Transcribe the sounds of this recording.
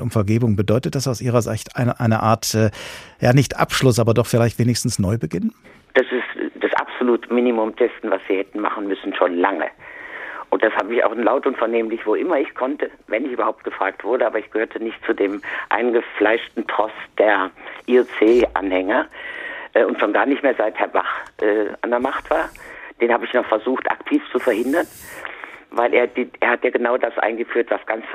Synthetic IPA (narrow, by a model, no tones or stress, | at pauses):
ʔʊmfɛɐɡeːbʊŋbədɔʏtət̚d̥asaʊsʔiːʁɐzɪçtʔaɪnɐʔaɪnɐʔaːɐtɛːjaːnɪçtʔa̰pʃlʊsʔaːbɐdɔχfɪlaɪçtv̥eːnɪçstn̩snɔʏbəɡɪn | d̥asɪstd̥asʔa̰pz̥oluːtəmɪnimʊmd̥ɛsn̩vasz̥iːhɛtn̩ma̰χn̩mʏsn̩ʃoːnlaŋə̰ | ʔʊnt̚d̥ashaːbəɪça̰ʊxlaʊtʊntfɛɐneːmlɪçv̥oʔɪmɐɪçkʰɔntʰəvɛnɪçyːbɐhaʊp̚t̚ɡ̥əfʁ̥aːktv̥ʊɐɾəʔaːbɐɪçɡ̥əhøːɐtʰənɪçtt͡sudeːmʔa̰ɪnɡəflaɪʃtn̩tʁ̥ɔsd̥eːɐʔiot͡seːʔa̰nhɛŋɐ | ʔɛːʊntʃoːnɡaːɐnɪçtmeːɐzaɪthɛɐba̰χʔɛːa̰ndɛɐmaχtv̥aːɐd̥eːnhaːbəɪçnɔχfɛɐzuːxtʔa̰ktʰiːft͡sufɛɐhɪndɐn | vaɪlʔeːɐdiʔeːɐhatjaːɡənaʊdasʔa̰ɪnɡəfyːɐtv̥asɡ̥ant͡s